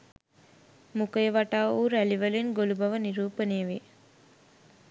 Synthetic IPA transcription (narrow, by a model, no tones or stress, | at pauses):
mukəjəʋaʈaːuːɾæliʋɐlinɡolubɐʋəniɾuːpənejəʋe